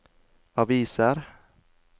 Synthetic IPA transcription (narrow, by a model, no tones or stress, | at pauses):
aviːsaɾ